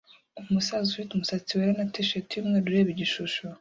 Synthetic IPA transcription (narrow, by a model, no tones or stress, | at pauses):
umusazufitumusat͡siweɾenatiʃetimŋeɾuɾeβiɟiʃuʃo